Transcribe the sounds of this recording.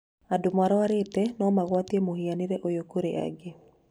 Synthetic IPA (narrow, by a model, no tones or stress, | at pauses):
adʊmwaɾɔaɾɪtɛnɔmaɣwat̪jemohianɪɾeʔojokoɾeʔa̰ɡɪ